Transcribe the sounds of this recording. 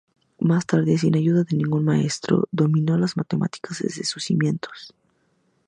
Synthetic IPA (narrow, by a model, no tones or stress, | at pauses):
mast̪aɾðe̞s̬inaʝuðaðe̞nĩŋɡunmae̞st̪ɾo̞̰ðo̞mĩno̞lazmat̪emʔa̰t̪i̥kazðḛzðesusimje̞nt̪ʰo̥s